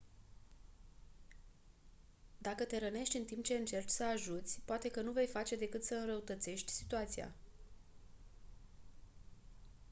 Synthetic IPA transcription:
d̪akət̪e̞ɾəne̞ʃt̪ʲɨnt̪imp̚t͡ʃe̞ɨnt͡ʃe̞rt͡ʃʲsəaʒut̪sʲpoat̪e̞kənuve̞jfat͡ʃe̞d̪e̞kɨt̪səɨnɾəut̪ət̪se̞ʃt̪ʲsit̪uat̪sia̰

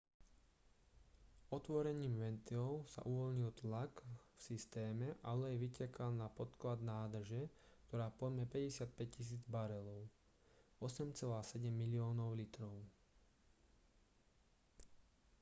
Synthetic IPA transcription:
ɔt̪ʋɔɾɛɲiːmʋɛnt̪ilɔʊsa̰ʔuʋɔʎɲilt̪lakfsist̪ɛːmɛʔalɛjɛʋicɛkalnapɔt̪klad̪naːd̪r̩ʒɛk̚t̪ɔɾaːpɔd̪mɛpɛɟɛsɪat̪̚pɛc̚cis̬iːd͡zbaɾɛlɔʊ | ɔsɛmt͡sɛlaːsɛɟɛmːilɪɔːnɔʊlit̪ɾɔʊ

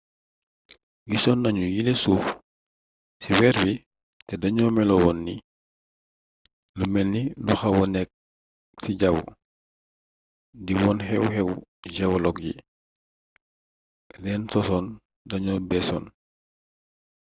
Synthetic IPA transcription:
ɡisɔnːɐɲujilesuːf | siwɛɾbi | tɛdɐɲɔmɛlɔwɔnːi | lumɛnːiluxɐwɔnɛk̚ | siɟɐw̰ | diwɔːnhɛwhɛwɟɛwlɔk̚jḭ | lɛːnsɔsɔn | dɐɲɔbɛsɔn

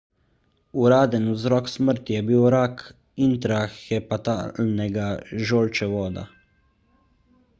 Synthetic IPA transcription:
uɾaːd̪ɛnuzɾɔːksməɾt̪ijɛbiwɾaːk | int̪ɾaxɛpat̪a̰ːlnɛɡaʒoːlt͡ʃɛʋɔːd̪a̰

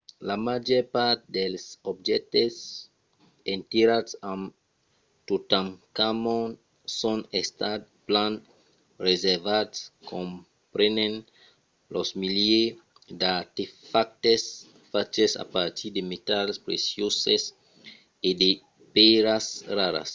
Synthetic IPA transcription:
lamad͡ʒɔpaɾt̪d̪ɛlsɔbd͡ʒɛk̚tes | ẽnt̪eɾadsãm | tot̪ãŋkamɔn | sɔ̃nɛst̪at̪̚ | plãn | rezɛɾvadskʰõm | pɾɛnẽn | lɔsmilje | d̪aɾt̪efak̚t̪es | fat͡ʃesa̰paɾt̪ʰiɾd̪emet̪alspɾesjoses | ede | peɾasraɾa̰s

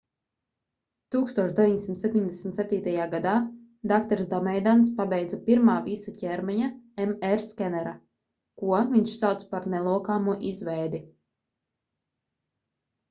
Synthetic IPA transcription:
t̪uːkst̪uɔʃd̪ʲeviɲd̪ʲsimt̪sep̚ʲt̪ʲiɲʲd̪ʲɛsmt̪sɛp̚t̪iːt̪ajaːɡad̪aː | d̪akt̪ɔɾsd̪ɔmɛjd̪ans̬pabɛjd̪zapiɾmaːvisacʲɛɾmɛɲaɛmɛɾskʲɛnɛɾa | kuɔviɲʃsawt̪spaɾnɛlˠuɔkaːmuɔʔizvɛjd̪i

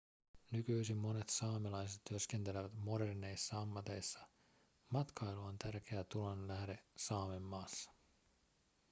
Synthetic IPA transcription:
nykyjsimːo̞ne̞t̪sɑːmelɑjs̬e̞t̪t̪ːyøsk̟e̞nt̪e̞leʋæt̪mo̞ɾe̞rne̞jsːɑɑmːɑt̪e̞jsːɑ | mɑt̪kʰɑjluont̪ærk̟eæt̪ulonlæɦde̞sɑːme̞mːɑːsːɑ̥

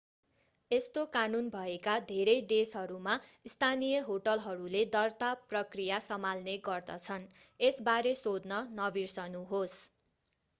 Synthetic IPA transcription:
est̪okanunbʱʌekad̪ʱeɾʌjd̪esɦʌɾumaist̪ʰanijʌɦoʈʌlɦʌɾuled̪ʌrt̪aprʌkrijasʌmalneɡʌrd̪ʌt͡sʰʌnesbaɾesod̪nʌnʌbirsʌnuɦos

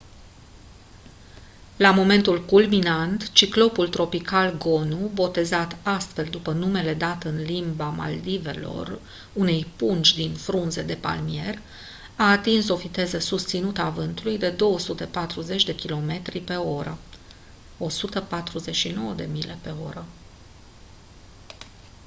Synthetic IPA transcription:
lamo̞me̞nt̪ulkulminant̪t͡ʃiklo̞pult̪ɾo̞pikalɡo̞nubo̞t̪e̞zat̪ast̪fe̞ld̪upənume̞le̞d̪at̪ɨnlimbama̰ld̪ive̞lo̞̰r | une̞jpunt͡ʃʲd̪infɾunze̞d̪e̞pa̰lmije̞r | aːt̪inso̞vit̪e̞zəsust̪sinut̪əavɨnt̪ulujd̪e̞d̪o̞wəsut̪e̞pat̪ɾuze̞t͡ʃʲd̪e̞kʲilo̞me̞t̪ɾipe̞o̞ɾə | o̞sut̪əpat̪ɾuze̞t͡ʃʃino̞wəd̪e̞̰mile̞pe̞o̞̰ɾə

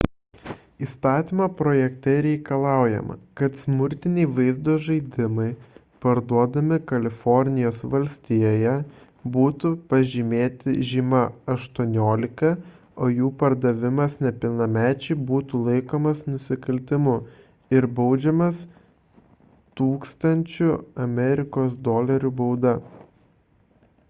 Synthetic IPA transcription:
iːst̪ɑːt̪ʲimɐpɾoːjɛkt̪ʲɛɾʲɛɪkɐlˠɑˑʊjɛ̰mɐ̰kɐt̪smʊɾʲt̪ʲɪnʲɛɪʋɐɪzd̪oːʒɐɪd̪ʲɪmɐɪ | pɐɾd̪uɔd̪ɐmʲɪkɐlʲɪfɔɾʲnʲɪjoːsʋɐlʲsʲt̪ʲijoːjɛ | buːt̪ʊpɐʒʲimʲeːt̪ʲɪʒʲiːmɐɐʃt̪uɔnʲoːlʲɪkɐ | oːjuːpɐɾd̪ɐʋʲɪmɐsnʲɛpʲɪlˠnɐmʲæːt͡ʃʲɛɪbuːt̪ulˠɐɪkoːmɐsnʊsʲɪkɐlʲt̪ʲɪmʊ | ɪɾbɐʊd͡ʒʲɛmɐs | t̪uːkst̪ɐnʲt͡ʃʲʊɐmʲɛɾʲɪkoːsd̪ɔːlʲɐɾʲubɐʊd̪ɐ

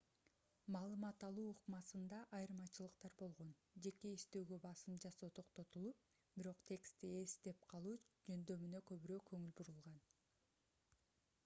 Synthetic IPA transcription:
mɑːlˠɯmɑt̪ɑlˠuːuqmɑsɯnd̪ɑʔɑjɯɾmɑt͡ʃɯlˠɯqt̪ɑɾbo̞lˠʁo̞nd͡ʒe̞ke̞iʃt̪ø̞ːɡø̞bɑsɯmd͡ʒɑso̞ːt̪ʰo̞qt̪o̞t̪ulˠup̚ | biɾo̞qt̪ʲʰe̞kst̪ie̞sd̪e̞p̚qʰɑlˠuːd͡ʒø̞nd̪ø̞mynø̞kø̞βyɾøːkʰøŋylbuɾulˠʁɑn

